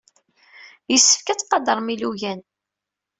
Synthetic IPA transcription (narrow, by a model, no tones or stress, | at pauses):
jəsːə̥fkæt͡sːqɑd̪əɾˤmiluʝæn